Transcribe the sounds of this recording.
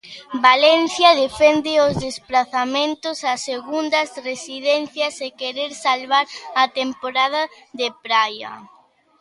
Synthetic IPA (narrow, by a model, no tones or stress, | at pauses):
balɛn̟θjɐðefɛnd̪ɪozðespɾaθamẽnt̪ʊsɐsːeɣund̪ɐzresiðɛnθjɐsekeɾeɾsalβaɾɐt̪empoɾað̞ɐ | ðepɾajɐ̰